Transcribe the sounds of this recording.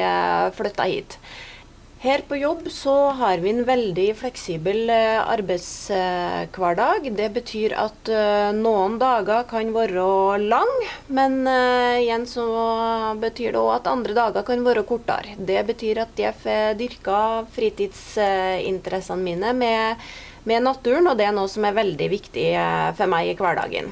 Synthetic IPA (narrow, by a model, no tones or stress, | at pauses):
fɽœt̪ːɑ̰hḭːt̪ | hæːɾpʰɔjɔbːsɔɦɑɾʋɪɛnʋɛld̪ɪflɛksiːbəlɑ̰ɾbæɪt̪s | kʰʋɑɖɑːɡd̪ɛbət̪ʰyːɾɑ̰t̪nuːənd̪ɑːɡɑkʰɑnʋoːɾəɔlɑŋmɛnɪjɛnsɔ | bət̪ʰyːɖɛ̰ɔɑt̪ɑ̰nd̪ɾəd̪ɑːɡɑkɑnʋoːɾəɔkʰʊʈːɑ̰ɾd̪ɛbət̪ʰyːɾɑt̪̚jæfd̪ʏɾkɑfɾiːt̪iːd̪sɪ̰nt̪əɾɛsɑnmiːnəmɛ | mɛnɑt̪ːʉːəɳɔd̪ɛænoːsɔmæɾʋɛld̪ɪʋɪkt̪ɪfɔɾmæɪɪkʰʋæɖɑ̰ːɡə̰n